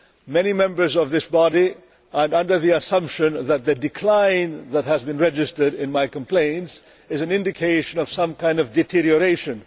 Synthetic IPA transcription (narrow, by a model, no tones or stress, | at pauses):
mɛnimɛ̃mbə˞zʌvðɪsb̥ɑɾi | ə̃nʌ̃ndə˞ðiɨsʌ̃mpʃɨ̃nðɨt̪̚ðɨdɨkʰl̥ãɪ̃nðət̚ɦɨzbɨ̃nɹɛd͡ʒɨstə˞ɾɪ̃nmaɪkə̃mpʰl̥ẽɪ̃nts | ɨzɨ̃nɪ̃ndɨkʰeɪʃɨ̃nʌv̥sʌ̃mkʰãɪ̃ndʌvdɨtʰɪɹiə˞eɪʃɨ̃n